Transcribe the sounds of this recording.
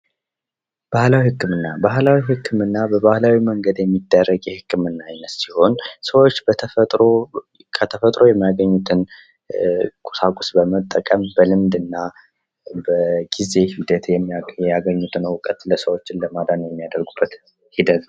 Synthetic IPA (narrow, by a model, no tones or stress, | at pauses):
b̥ahlawihɨkːɨmɨnːabahlawihɨkʰːɨmɨnːabəβahlawiməŋɡəd̪jɛmːid̪ːərːəɡjɛhɨkːɨmɨnːaajnət̪siho̞nsəwo̞t͡ʃːb̥ət̪ʰəət̪ʼɾo | kʰət̪ʰəfət̪ʼɾo̞jɛmːijaɡəɲːut̪ʰɨn | kʼu̥sakʼusbəmət̪ʼːəkʼəmbəlɨmd̪ɨnːa | bəɡ̥ize̞hid̪ət̪jɛjɛjaɡəɲːut̪ʰɨnwʊkʼət̪ləsəwo̞t͡ʃːɪnləmad̪anəjɛmːijad̪əɾɡub̥ːət̪ | hid̪ət̪